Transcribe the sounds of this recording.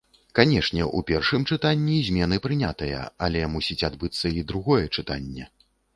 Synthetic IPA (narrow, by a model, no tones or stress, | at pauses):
kanʲɛʂnʲɛʔṵpʲɛrʂɨmt͡ʂɨt̪anʲːizʲmʲɛnɨpɾɨnʲat̪ɐjɐ̰a̰lʲɛmusʲit͡sʲad̪bɨt̪sːɐid̪ɾuɣɔjɛt͡ʂɨt̪anʲːɛ